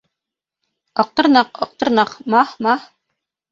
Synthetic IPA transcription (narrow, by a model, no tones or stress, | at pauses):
ɒq̚t̪ɤ̆ɾnɑqɒq̚t̪ɤ̆ɾnɑqmɑhmɑh